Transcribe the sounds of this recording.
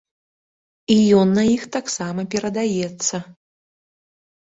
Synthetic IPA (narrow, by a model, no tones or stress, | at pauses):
ijɔnːɐixt̪aksamɐpʲɛɾɐd̪ajɛt̪sːɐ